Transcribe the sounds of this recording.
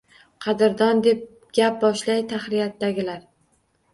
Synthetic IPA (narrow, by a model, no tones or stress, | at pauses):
qʰɑd̪ɪɾd̪ɒnd̪e̞p̚ | ɡʲap̚bɒʃlajt̪ʰaχɾijat̪ːaɡʲɪlaɾ